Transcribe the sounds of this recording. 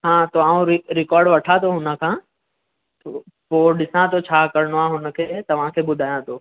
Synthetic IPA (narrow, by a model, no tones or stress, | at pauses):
ɦãːt̪oaːũɾɪɾɪkɔːɾɖʋɐʈʰat̪ʰoɦʊnə̆kʰãː | t̪o | poːɗɪsãt̪ʰot͡ɕʰaːkɐɾɽ̃oaːɦʊnə̆kʰeːt̪ɐʋ̤ãkʰeːɓʊd̪ʱaːjãːt̪ʰoː